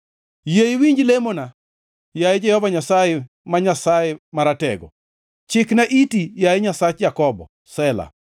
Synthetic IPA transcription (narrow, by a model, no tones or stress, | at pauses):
jeiwiɲd͡ʒlemona | jajed͡ʒɛhɔvaɲasaje | maɲasajɛmaɾatɛ̰ɡɔ̰ | t͡ʃɪknaʔitijajeɲasat͡ʃd͡ʒakɔbɔ̰ | sɛla̰